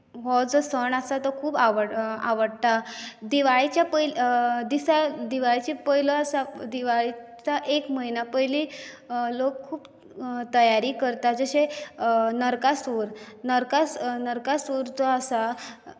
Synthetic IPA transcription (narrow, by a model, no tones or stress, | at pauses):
ɦɔd͡zɔsəɳasat̪əkʰuːbaʋəaʋəɽt̪ad̪iʋaɭit͡ɕjapəjld̪isad̪iʋaɭit͡ɕepəɦilɔasad̪iʋaɭit͡saʔekməinapəjlilokkʰːuːp | t̪əjaɾiːkəɾt̪ad͡zəɕe | nəɾkasuɾnəɾkasnəɾkasuɾd͡zɔasa